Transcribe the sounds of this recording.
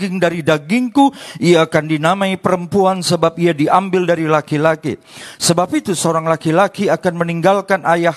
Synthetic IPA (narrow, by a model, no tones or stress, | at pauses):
ɡɪŋdaɾidaɡɪŋkuiaːkandinamaipəɾəmpuansəbap̚iadiambɪldaɾilakilakḭ | səbap̚it̪usəoɾaŋlakilakiakanməniŋɡalkanʔajah